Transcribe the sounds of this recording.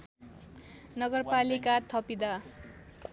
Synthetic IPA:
nʌɡʌrpalikat̪ʰʌpid̪a

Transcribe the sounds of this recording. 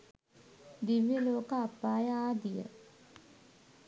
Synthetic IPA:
d̪iʋjəloːkəapːaːjəaːd̪ijə̰

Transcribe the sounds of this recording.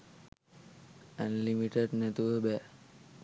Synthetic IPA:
ə̃nlimiʈəɖnɛt̪uʋəbɛ

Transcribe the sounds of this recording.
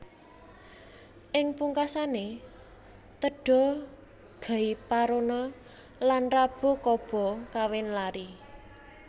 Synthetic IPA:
ʔɪŋpuŋkasane | t̪əɖ̥ɔ̤ | ɡ̥a̤ipaɾonɔ | lanrab̥o̤kɔb̥ɔ̤kawɪnlaɾi

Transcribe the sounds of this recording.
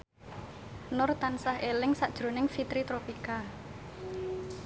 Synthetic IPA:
nʊrt̪ansahelɪŋsaʔd̥ʒ̥ɾo̤nɪŋfit̪ɾit̪ɾopika

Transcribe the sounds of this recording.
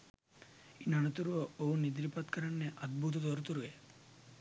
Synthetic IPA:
inɐnɐt̪uɾuʋɐoɦunid̪ɾipɐt̪kɐɾɐnːeʔɐd̪̚bʱut̪̬ɐd̪ɔɾut̪uɾuʋe

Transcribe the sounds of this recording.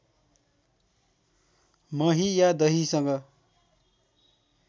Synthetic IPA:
mʌɦijad̪ʌɦisʌŋɡʌ

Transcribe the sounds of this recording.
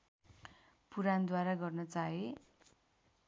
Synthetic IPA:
puɾand̪waɾaɡʌrnʌt͡saɦe

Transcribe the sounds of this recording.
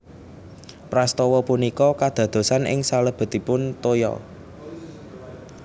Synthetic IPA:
pɾast̪ɔwɔpunikɔkad̪̥ä̤d̪̥o̤sanʔɪ̰ŋsaləb̥ə̤t̪ipʊnt̪ojɔ̰

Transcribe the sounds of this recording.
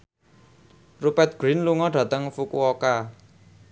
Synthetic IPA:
rupɛt̪̚ɡ̥ɾinluŋɔɖ̥ä̤t̪əŋfukuɔka

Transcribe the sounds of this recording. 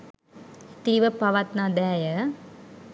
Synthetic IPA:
t̪iɾiʋɐpːɐʋat̪nad̪ɛːjɐ

